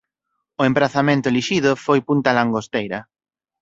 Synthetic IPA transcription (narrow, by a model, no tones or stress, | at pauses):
ʊẽmpɾaθamẽnt̪ʊeliʃiðʊfojpunt̪alaŋɡost̪ejɾɐ